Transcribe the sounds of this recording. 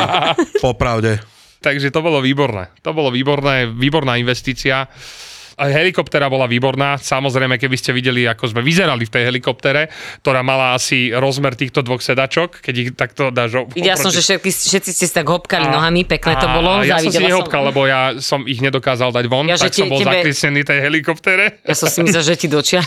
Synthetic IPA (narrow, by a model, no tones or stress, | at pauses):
pɔpɾaʊɟɛ | t̪aɡʒɛt̪ɔbɔlɔʋiːbɔɾnɛ̰ːt̪ɔbɔlɔʋiːbɔɾnɛːʋiːbɔɾnaːinʋɛst̪iːt͡sia | ɦɛlikɔpt̪ɛɾabɔlaʋiːbɔɾnaːsamɔzɾɛjmɛkɛbiscɛʋiɟɛliakɔzmɛʋizɛɾalift̪ɛjɦɛlikɔp̚t̪ɛɾɛkt̪ɔɾaːmalaasiɾɔzmɛɾt̪iːxt̪ɔd̪ʋɔxsɛd̪at͡ʃɔkkɛɟiɣt̪ak̚t̪ɔd̪aːʒɔʋiɟɛlassɔmʒɛʃɛt̪̚kisfʃɛt̪̚t͡siscɛsi̥t̪aɡɦɔpkalinɔɦamipɛknɛːɔbɔlɔjasiɔ̃msɛiɲɛɦɔpkallːɛbɔjasɔmiɣɲɛd̪ɔkaːzalˠd̪aɟʋɔnaʒɛksɔmbɔlzaɛklɪɛsɲɛniːft̪ɛjɦɛlikɔpt̪ɛɾɛjasɔmsimimslɛʒɛcid̪ɔt͡ʃɪa